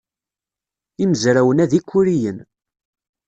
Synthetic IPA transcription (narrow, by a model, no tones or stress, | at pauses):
iməzɾæwənæðikʷːuɾijən